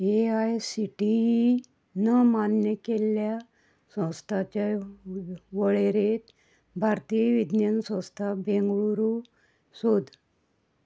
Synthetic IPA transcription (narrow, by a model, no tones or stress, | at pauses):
eajsiʈi | nəmanjəkelja | sə̃st̪ʰat͡ɕa | ʋəɭeɾet̪ | bʱaɾt̪iʋid̪njənsə̃wst̪ʰabẽŋɡɭuɾu | sod̪ʱ